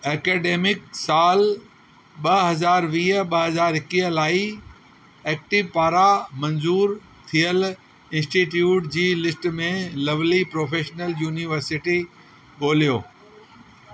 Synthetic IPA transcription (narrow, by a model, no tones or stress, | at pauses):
eːkeːɖeːmɪksaːl | ɓɐɦɐzaːɾʋiːɦəɓɐɦɐzaːɾɦɪkiːɦəlaːi | ɛːk̚ʈɪʋpaːɾamɐ̃nzuːɾ | t̪ʰijəl | ɪ̃nsʈiʈjuːʈd͡ʑiːlɪsʈmẽlɐʋlipɾoːfeːʃnəljuːniʋəɾsɪʈi | ɠoːlijoː